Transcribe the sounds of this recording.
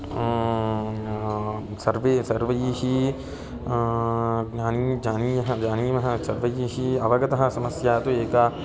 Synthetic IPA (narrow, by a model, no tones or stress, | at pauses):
sɐɾʋesɐɾʋəjiɦi | aːnid͡ʒaːniɦd͡ʒaːniʋɐɦãsɐɾʋəjiɦiɐʋɐɡɐt̪ɐɦãsɐməsjaːt̪oeːka